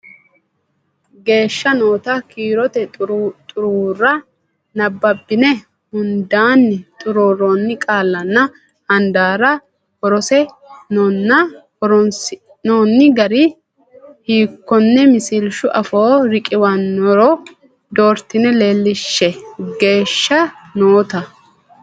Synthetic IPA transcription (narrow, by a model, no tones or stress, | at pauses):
ɡe̞ːʃːɐnoːt̪ɐkiːɾɔt̪ɛt̪ʼʊɾuːɾɐ | nɐbːɐbːɪnɛ | hʊnd̪aːnːɪt̪ʼʊɾoːɾonːɪkʼaːlːɐnːɐ | hɐnd̪aːɾɐ | hɔɾɔsɛ | nɔnːɐ | ɔɾɔns | noːnːɪɡɐɾɪ | hiːkːɔnːɛmɪsɪlʃʊʔɐfoːɾɪkʼɪwɐnːɔɾɔ | d̪o̞ːɾt̪ɪnɛle̞ːlːɪʃːɛɡe̞ːʃːɐnoːt̪ɐ